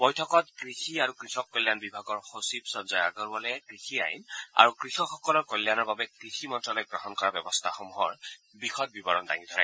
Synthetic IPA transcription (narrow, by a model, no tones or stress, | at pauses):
bɔjtʰɔkɔtkɹixiaɹukɹixɔkːolːjanbibʱaɡɔɹxosibsɔnzɔja̰ɡɔɹbɔlɔɛkɹixia̰jḭna̰ɹukɹixɔxɔkɔlɔɹkolːjanɔɹbabɛkɹixʰimɔntɹɔlojɡɹɔɦɔnkɔɹabɛbɔstʰaxomuɦɔɹ | bɹixʰɔt̚bibɔɹɔnda̰ŋid̪ʰʱɔɹa̰